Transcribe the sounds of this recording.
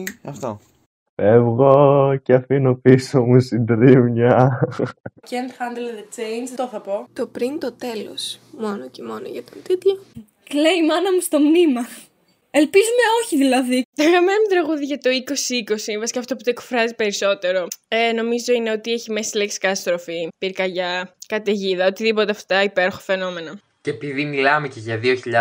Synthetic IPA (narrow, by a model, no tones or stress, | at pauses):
ɐft̪o | fevɣoceɐfinopisomusind̪ɾimɲɐ | cend̪xɐnd̪elðet͡ʃejnd͡ʒt̪oθɐpo̞t̪opɾint̪o̞t̪e̞lo̰smo̞nocemo̞noʝɐt̪ot̪it̪jo | kleimɐnɐmust̪o̞mnimɐ | elpizumeo̞çiðilɐðit̪oɣɐmenɐmut̪ɾɐɣuðiʝɐt̪o̞iko̞siiko̞sivɐsi̥kɐːft̪o̞put̪oe̞kfɾɐzipe̞ɾiso̞t̪e̞ɾo̞eno̞mizo̞ine̞o̞t̪ieçimesileksi̥kɐst̪ɾofipiɾkɐʝɐkɐt̪eʝiðɐo̞t̪iðipo̞t̪eɐft̪ɐ̥t̪ɐipe̞ɾoxofe̞no̞me̞nɐ | ceepiðimilɐmeceʝɐðioçiʎɐ